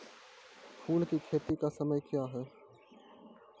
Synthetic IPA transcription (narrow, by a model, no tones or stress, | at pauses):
pʰuːlkikʰeːt̪ikasəməjkjaːɦɛː